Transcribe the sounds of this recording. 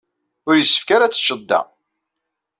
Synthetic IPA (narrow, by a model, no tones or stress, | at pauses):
ʊɾjəsːə̥fkaɾat͡sːə̥t͡ʃːəd̪ːæ̰